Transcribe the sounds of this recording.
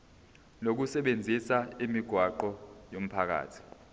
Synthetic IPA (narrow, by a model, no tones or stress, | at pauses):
nok̬usɛɓend͡zʱisaimiɡ̥ʱwaǃɔjom̩pʰak̬a̰ːtʰi̥